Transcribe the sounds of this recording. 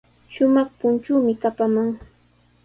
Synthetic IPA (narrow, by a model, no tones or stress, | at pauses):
ʃʊmɑχpʊnt͡ʃʊːmɪkapamaŋ